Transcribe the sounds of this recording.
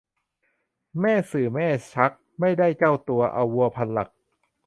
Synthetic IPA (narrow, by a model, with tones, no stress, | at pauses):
mɛː˥˩sɯː˨˩mɛː˥˩t͡ɕʰa˦˥k̚ma˥˩jda˥˩jka˥˩wt̪u˧ɐʔa̰˧wːu˧ɐpʰa˧nla̰˨˩k̚